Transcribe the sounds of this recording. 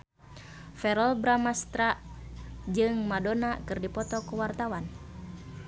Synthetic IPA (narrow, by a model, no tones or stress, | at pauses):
fɛɾɔlbɾamast̪ɾa | d͡ʒɨŋmadonakɨrdipɔt̪ɔkuwart̪awan